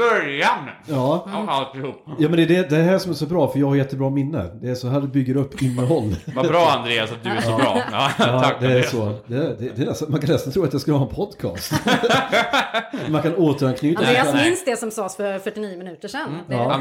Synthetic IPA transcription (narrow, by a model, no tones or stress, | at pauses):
b̥œɾjanjɑːalt̪uːpjɑːmɛnd̪ɛd̪ɛd̪ɛɦæːʂɔmæʂɔbɾɑːfœɾjɑːɡhaɾjɛt̪ːəbɾɑːmɪnːə̰d̪ɛːʂɔɦæːɾbʏɡːəɾɵpːɪnːəɦɔlːvabɾɑːand̪ɾeːasat̪̚d̪ɵæɔːbɾɑ̰ːɑːkd̪ɛːsɔd̪ɛd̪ɛd̪ɛːnɛst̪amankʰanɛst̪ant̪ʰɾuːat̪jaskɯlhɑːɛnpʰɔd̪kʰɑ̰ːst̪ | mankʰanoːt̪əɾankʰnyːtaaɪnst̪d̪ɛsɔmsɑːsfœɾfœʈːɪniːəmɪnʉ̟ːt̪əʂɛnɑː